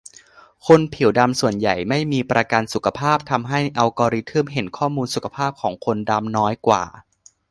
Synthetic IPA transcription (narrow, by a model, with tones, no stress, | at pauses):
kʰo˧npʰi˨˩˦wda˧msu˨˩ənja˨˩jma˥˩jmiː˧pɾa˧ka˧nsu˨˩kʰa˧pʰaː˥˩p̚t̪ʰa˧mɦa˥˩jʔa˧wkɔː˧ɾi˧˥t̪ʰɯ˥˩mɦe˩˦nkʰɔː˥˩muː˧nsu˨˩kʰḁ˧pʰaː˥˩p̚kʰɔː˩˦ŋkʰo˧nda˧mnɔː˦˥jkwa̰ː˨˩